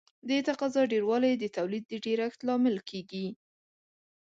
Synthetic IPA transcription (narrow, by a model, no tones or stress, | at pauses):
d̪et̪aqɑzɑɖeɾwɑlajd̪ət̪awlid̪̚ːəɖeɾaxt̪lɑmɪlkʰeɡi